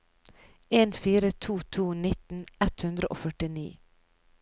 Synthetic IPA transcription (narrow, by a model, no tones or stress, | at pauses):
eːnfiːɾət̪ʰuːt̪ʰuːnɪt̪n̩ɛt̪hʉnd̪ɾəʔo̰ːfœʈɪnḭː